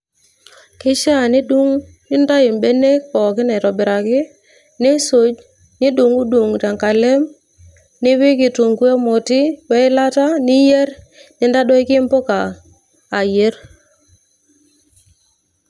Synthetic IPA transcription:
kɪ˦ʃa˦˨nɪ˦du˦ŋ | ɪ˦nda˦ɪ˨mbe˦ne˦kkɔ˨kɪ˦nɛ˨ɾɔ˨bɪ˨ɾa˨kɪ˦ | nɪ˦so˨˦d͡ʒ | nɪ˦du˨ŋu˦du˨ŋ˨ta˨ŋka˨le˦m | nɪ˦wɪ˦kɪ˨to˨ŋɡwe˦mo˨tɪ˦wɛ˦ɪ˦la˦ta˦nɪ˦je˦ɾ | nɪ˨˦nda˦dɔ˦ɪ˦kɪ˦mbo˦kaː˨ | je˦ɾ

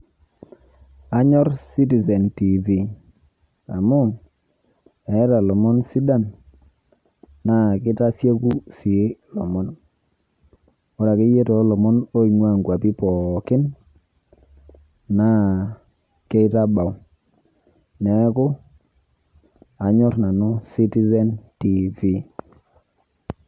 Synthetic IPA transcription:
a˦ɲɔ˦ɾsi˦ti˨se˨nti˨vi˨ | a̰˨mʊ˦˨ | ɛ˨˦ɾa˨lɔ˨mɔ˦nsi˦da˦˨n | na˨kɪ˦ta˦sje˦ku˦si˨˦lɔ̰˨mɔ˦n | ɔ˦ɾa˨ke˦je˦tɔ˨˦lɔ˨mɔ˦no˦i˨ŋwa˦˨ŋkwa˨pi˦pɔ˨kɪ˦n | na˦ | ke˦ɪ˦ta˦ba˨w | nɛ˨˦kʊ˦ | a˨ɲɔ˦ɾna˨nʊ˦si˦ti˦zɛ˦nti˦vi˦

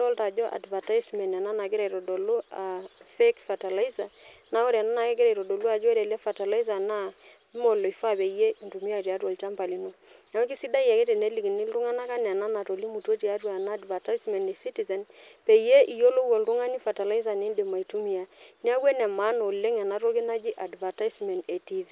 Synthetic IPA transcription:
tɔ˦lta˨d͡ʒɔ˦ʔa̰˨dva˨ta˦jsmɛ˨n˨ɛ˨na˦na˨ɡɪ˦ɾa˨ɾɔ˨do˨lo˦a˨fe˦kfa˨ta˨la˦i˦za˨na˦o˦ɾa˨na˦na˨kɛ˦ɡɪ˦ɾa˨ɾɔ˨do˨lu˦a˨d͡ʒɔ˦ɾɛ˨lɛ˦fa˨ta˨la˦i˦za˨na˦ | mo˨lo˨i˨fa˦˨pe˨i˨je˦ʔi˨ntu˨mi˦a˦˨ti˨a˦to˨lt͡ʃa˦mpa˨li˨˦no˦na˨˦ki˦si˦da˦i˨ja˨ke˦te˨ne˦li˨ki˨nɪ˦lru˦ŋa˦na˦ka˦n˨a˨na˦na˨to˨li˦mu˨to˦ti˨a˦twa˨naː˦dva˨ta˦jsmɛ˨nɛ˨si˦ti˨zɛ˨npɛ˨i˨je˦ʔi˨jo˦lo˦wɔ˨lɾu˦ŋa˦ni˦fa˨ta˨la˦i˦z̬a˨ne˦nde˨ma˨i˨tu˦mi˦a˨ni˦a˦wɛ˦nɛ˨ma˦no˨le˦ŋa˨na˦ɾo˦ɡi˦na˦d͡ʒi˦ʔa˨dva˨ta˦jsmɛ˨nte˨ti˦vi˦

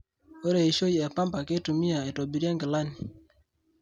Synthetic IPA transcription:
o˦ɾe˨i˨ʃo˦ji˨ɛ˨pa˦mba˨ke˦tu˨mi˦a˨e˨to˨bi˨ɾja˦ŋɡɪ˨la˦ni˨

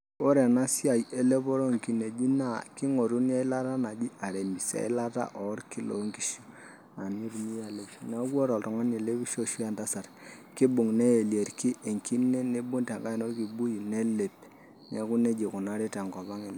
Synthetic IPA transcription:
o˦ɾe˨na˦sja˨je˦le˦bɔ˦ɾo˦ŋki˨ne˨d͡ʒi˦na˦˨kɪ˦ŋo˨ɾu˦n˦a˦i˦la˦ta˦na˨d͡ʒi˦a˨ɾe˨mi˨sa̰˨ɪ˦la˦ta̰˦ʔɔ˨˦ɾki˦lo̰˨˦ŋki˦ʃo˨ | a˨ni˦ɾmi˦ja˨le˨ʃi˨na˦kɔ˦ɾɔ˨ltɔ˨ŋa˦ne˨le˦bi˦ʃo˦ʃu˦a˦nta˦sa˨r | kɪ˦bʊ˨ŋne˦e˨lje˨ɾki˦ʔe˨ŋki˦ne˦ne˦bu˦nta˨ŋɡa˦i˨no˦rki˨bu˦ji˨ne˦le˨p | ne˨ku˦ne˦d͡ʒi˨kʊ˨na˦ɾe˦ta˨ŋɡɔ˨ba˦ŋe˨l

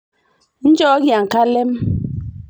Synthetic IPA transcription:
n̩˦d͡ʒɔ˦ɡja˨ŋ˨ka˦lɛ˦m

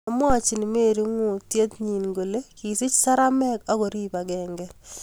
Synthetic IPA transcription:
amwa˦t͡ʃɪ˨nɪ˨me˦˨ɾi˦ŋu˨tje˦t̪ɲi˨nŋɡo˨le˦ki˨sɪ˦t͡ʃsa˦ɾa˦mɛ˦ka˦kɔ˨ɾiː˦pa˨ɡɛːŋɡɛ˦

